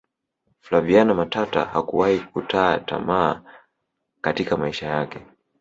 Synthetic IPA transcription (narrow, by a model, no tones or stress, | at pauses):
flavianamatata̰hakuwahikutʰaːta̰maː | katikamaiʃajakɛ